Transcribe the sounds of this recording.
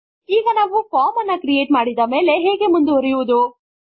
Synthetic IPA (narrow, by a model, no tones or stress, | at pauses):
iːɡɐnaːʋupaːmɐnːɐkɾijeːʈmaːɽid̪ɐme̞ːle̞ɦeːɡemund̪uɐɾijuʋud̪u